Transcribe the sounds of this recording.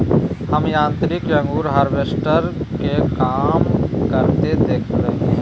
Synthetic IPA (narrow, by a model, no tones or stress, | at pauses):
həmjãːnt̪ɾɪkjə̃ŋɡuːɾɦaːɾʋeːsʈəɾkekaːmkəɾt̪ed̪eːkʰbəe